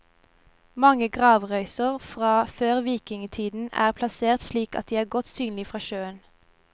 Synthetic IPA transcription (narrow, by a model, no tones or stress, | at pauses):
mɑŋəɡʁɑːʋʁœʏsəʁfʁɑːføːʁʋiːkɪŋt̪ʰiːd̪n̩æ̰ːʁpʰlɑseːʁt̪ʃliːkɑ̰t̪̚d̪iːæːʁɡɔt̪syːnlɪfʁɑːʃøːən